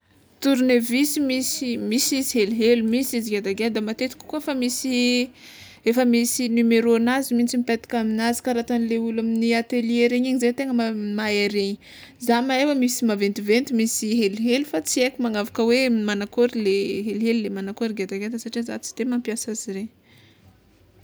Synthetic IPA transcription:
t̪uɾnevisimisimisiziɦeliɦelumisiziɡad̪aɡend̪amat̪et̪iki̥kuefəmisi | efəmisinymeɾonazimint͡simipet̪i̥kaminazi̥kaɾat̪anileulaminiat̪elieɾeɲaɲizet̪eŋəmamaeɾeɲi | zamaewəmisimavent̪ivent̪imisiɦeliɦelufat͡siekumaŋavakəwemanakoɾileɦelɦelilːemanakoɾiɡad̪aɡed̪əsaʈ͡ʂiza̰t͡si̥d̪̥emampjasaziɾe

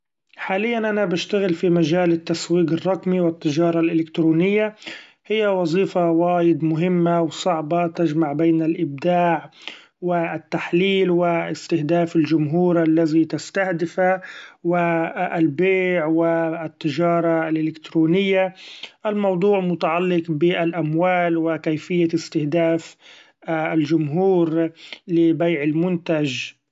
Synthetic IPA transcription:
ħaːlɪjːanʔanabaʃt̪aɣɪlfimaʒaːlɪt̪ːaswiːqɪrˤːɑqmiwɪt̪ːɪʒɑːɾˤɑlʔɪlɪkt̪ɾuːnɪjːa | hɪjːawɑzˤiːfawaːjɪd̪mʊɦɪmːawsˤɑʕbɑt̪ad͡ʒmaʕbeːnalʔɪb̚d̪aːʕ | wɪt̪ːaħliːlwɪɪst̪ɪhd̪aːfɪld͡ʒʊmɦuːɾʔalːazit̪ɪst̪ahd̪ɪfawɪalbeːʕwɪt̪ːɪd͡ʒɑːɾˤɑlʔɪlɪkt̪ɾuːnɪjːaʔalmɑwd̪ˤuːʕmʊt̪aʕalːɪqbɪʔalʔamwaːlwɪkajfɪjːaɪst̪ɪhd̪aːf | ald͡ʒʊmɦuːɾlɪbajʕɪlmʊnt̪ad͡ʒ

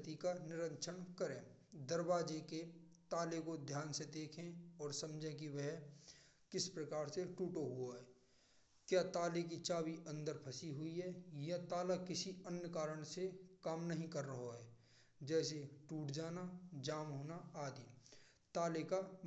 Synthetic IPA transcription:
t̪ikanɪɾə̃nt͡ʃʰənkəɾẽːd̪əɾbaːd͡ʒeket̪aːlekod̪ʱjaːnsed̪eːkʰẽɔːɾsɐmd͡ʒẽkiʋɛɦ | kɪspɾəkaːɾseʈuːʈoɦʊaɦɛː | kjaːt̪aːlek̬it͡ʃaːwiʔə̃nd̪əɾpʰɐsiɦʊiɦɛːjɐt̪aːlakɪsiənjəkaːɾəɽ̃sekaːmnɐɦĩkəɾːəɦoɦɛː | d͡ʒɛːseʈuːʈd͡ʒaːnad͡ʒaːmɦoːnaaːd̪iː | t̪aːleka

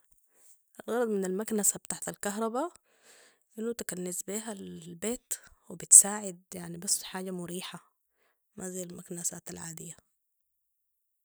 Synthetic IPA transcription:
ʔalɣɑɾˤɑd̪ˤmɪnalmaknasab̚t̪aʕt̪alkɑɦɾˤɑba | ʔɪnːut̪akanːɪzbiːɦalbeːt̪wɪbɪt̪saːʕɪd̪̚jaʕnibɑsːħaːɟamʊɾiːħa | mʔaziːjːalmaknasaːt̪alʕaːd̪ɪjːa

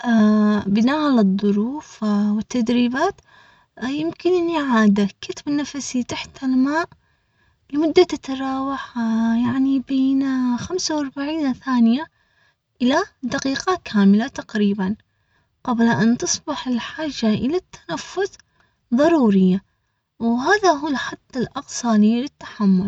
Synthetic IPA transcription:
ʔabɪnaːʔalɨðˤːʊɾuːfwɪt̪ːad̪ɾiːbaːt̪ | jɪmkɪnʔɪnːiʕaːd̪akɪt̪bɪnːafasit̪aħt̪almaːʔ | lɪmʊd̪ːat̪ɪt̪ɾˤɑːwɑħjaʕnibeːnxamsawɑɾˤbaʕiːnθaːnɪja | ʔɪlad̪aqiːqɑkʰaːmɪlat̪aqɾiːban | qɑblʔant̪ɨsˤbɪħɪlħaːʒːaʔɪlat̪ʰːḁnafːʊθ | ðˤɑɾˤuːɾɪjːa | wɦaːðaɦuːlħad̪ˤːɪlʔɑqsˤɑːlilɪt̪ːḁħamːʊl

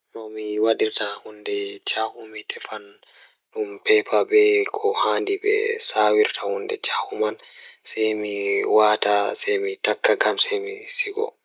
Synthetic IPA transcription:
nɔmiwaɗiɾtahundɛt͡ʃahumitʰɛfan | ɗumpɛpaɓɛkʰɔhandiɓɛ̰sawiɾtʰahundɛ̰t͡ʃahumansɛjmiwaːtasɛjmitakːaɡamsɛmisiɡɔ̰

